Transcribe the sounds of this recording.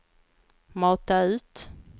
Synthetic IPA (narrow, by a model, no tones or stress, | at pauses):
mɑːt̪aʉ̟ːt̪